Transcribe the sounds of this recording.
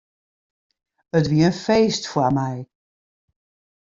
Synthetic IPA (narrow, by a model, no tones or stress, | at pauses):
ətʋiəənfeːstfwamɛj